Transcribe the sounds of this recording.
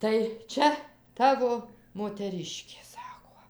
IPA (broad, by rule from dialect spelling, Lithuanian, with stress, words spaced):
tɐɪ ˈt͡ʃʲɛ ˈtɑːʋoː moːtʲɛˈrʲɪʃʲkʲeː ˈsɑːkoː